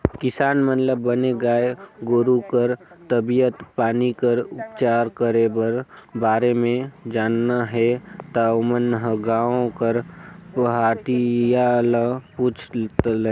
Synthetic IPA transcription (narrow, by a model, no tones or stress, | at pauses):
kɪsaːnmət̪ləbːəneɡaːeɡoːɾukəɾt̪əbijət̪paːnikəɾʊpt͡ʃaːɾkəɾebəɾbaːɾemẽd͡ʒaːnːaɦɛt̪amənɦəɡãːõkəɾpəɦaːʈijaləpuːt͡ʃʰt̪l